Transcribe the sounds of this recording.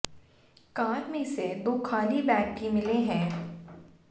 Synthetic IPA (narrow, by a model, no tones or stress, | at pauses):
kãːɾmẽsed̪oːkʰaːlibɛ̃ːkkimɪleɦɛ̃ː